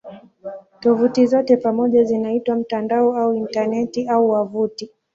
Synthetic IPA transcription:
tɔvutizɔtɛpamɔʄazinaitwam̩tandaɔauintanɛtiauwavuti

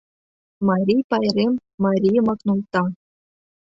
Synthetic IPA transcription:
mɑɾʲijpɑjrʲemːɑɾʲijɤmɑknulˠt̪ɑ

